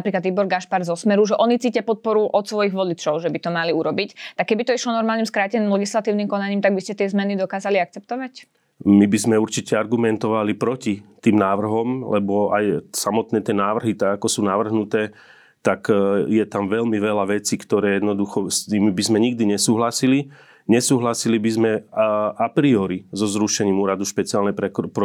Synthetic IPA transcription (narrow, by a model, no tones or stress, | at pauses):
apɾiːklad̪ibɔɾɡaʃpaɾzɔsmɛɾuʒɛʔɔnit͡siːcapɔt̪̚pɔɾuʔɔt̪sʋɔjiɣʋɔlit͡ʃɔʊʒɛbit̪ɔmaliuɾɔbict̪akːɛbit̪ɔiʃlɔnɔɾmalnɲimskɾaːcɛniːmlɛɡislat̪iːʊnimkɔnaɲiːmt̪aɡ̚biscɛt̪ɪɛzmɛnid̪ɔkaːzaliak̚t͡sɛp̚t̪ɔʋac | mibizmɛuɾt͡ʃicɛaɾɡumɛnt̪ɔʋalipɾɔcit̪iːmnaːʋr̩ɦɔmlɛ̰bɔa̰jsamɔt̪nɛːt̪ɪɛnaːʋrɦit̪aɡakɔsuːnaʋr̩ɦnut̪ɛː | t̪akjɛt̪amʋɛʎmiʋɛlaʋɛt͡siːkt̪ɔɾɛːjɛd̪nɔd̪uxɔst̪imibizmɛɲiɡ̚d̪iɲɛsuːɦlasili | ɲɛsuːɦlasilibizmɛʔapɾiɔɾizɔzɾuʃɛɲiːmuːɾad̪uʃpɛt͡siaːlnɛpɾɛpɾɔ